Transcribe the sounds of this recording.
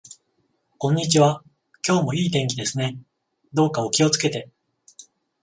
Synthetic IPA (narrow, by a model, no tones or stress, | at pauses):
kõ̞ɲ̟ːit͡ɕiβa | kʲo̞ːmo̞iːt̪ẽ̞ŋkʲid̪e̞sɨne̞ | d̪o̞ːkao̞kʲio̞t͡sɨ̥ke̞t̪e̞